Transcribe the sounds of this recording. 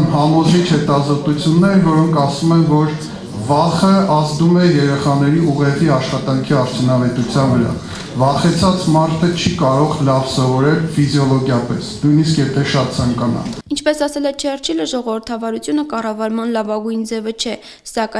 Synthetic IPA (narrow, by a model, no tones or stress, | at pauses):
nɦɑmɔzʒit͡ʃʰhɛt̪ɑzɔt̪ut͡sʰjunːɛɾvɔɾɔŋkʰɑsumɛnvɔɾ | vɑχəɑzd̪umɛjɛɾɛχɑnɛɾiuʁɛviɑʃχɑt̪ɑŋkʰiɑɾt͡sʰjunɑvɛt̪ut͡sʰjɑnvəɾɑ̰ | vɑχɛt͡sʰɑt͡smɑɾt̪ʰət͡ʃʰikɑɾɔʁlɑvsɔvɔɾɛlfizjɔlɔɡjɑpɛsnujniskjɛt̪ʰɛʃɑt̪̚t͡sʰɑŋkɑnɑ̰nint͡ʃʰpɛsɑsɛlɛt͡ʃʰɛrt͡ʃʰɛləʒɔʁɔvəɾt̪ʰɑvɑɾut͡sʰjunəkɑrɑvɑɾmɑnlɑvɑɡujnd͡zɛvət͡ʃʰɛ | sɑkɑ